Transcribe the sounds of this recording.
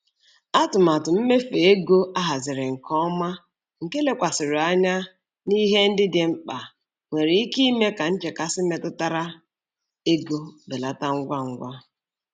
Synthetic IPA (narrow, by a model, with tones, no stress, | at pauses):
a˦tʊ˨ma˨tʊ˨m̩˦me˦fe˨e˦ɡo˦a˦ɦa˨zɪ˨ɾɪ˨ŋ̩˨kɔ˦ma˦ | ŋ̩˨ke˦le˦kʷa˨sɪ˨ɾʊ˨a˦ɲa˦ | ni˦ɦe˦n̩˦dɪ˦dɪ˨m̩˦k͡pa˨ | ŋʷe˨ɾe˨i˦ki˦me˦ka˨n̩˦t͡ʃe˨ka˨sɪ˦me˨tʊ˦ta˦ɾa˦ | e˦ɡo˦be˨la˦ta˦ŋ̩˦ɡʷa˦ŋ̩˦ɡʷa˦